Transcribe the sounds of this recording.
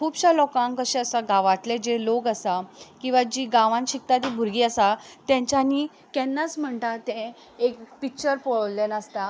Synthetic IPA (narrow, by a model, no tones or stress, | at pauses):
kʰuːbɕalɔkãŋkəɕẽəsaɡaʋat̪led͡ʑelokəsakĩw̃ʋad͡ʑiːɡãʋãnɕik̚t̪at̪̬ibʱuɾɡiːəsat̪jãɲt͡ɕani | kɛnːat͡sm̤əɳt̪at̪ẽ | ekpik̚t͡ɕəɾpɔɭllenəst̪a